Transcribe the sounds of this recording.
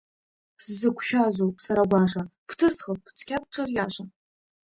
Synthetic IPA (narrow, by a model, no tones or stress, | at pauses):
szɨkʷʰʃᶣaʒʷowpʼsaɾaɡʷaʂapʰtʰɨsχəp̚ʼːt͡sʰkʲap̚ʈ͡ʂʰʼɨrjaʃʷʼa